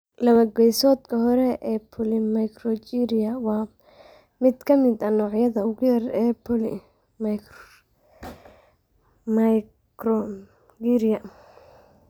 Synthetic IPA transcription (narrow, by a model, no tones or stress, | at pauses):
lɐβɐɡɛjsɔːd̪kʰɐɦɔɾɛʔɛːpʰɔlɪmɐjkrɔt͡ʃiɾijɐwɑː | mɪd̪kʰɐmɪd̪ɐnɔːʕjɐðɐʊɣʊjɐrɛːpʰɔlɪ | mɐk | m | kɾɔ | ɡiɾijɐ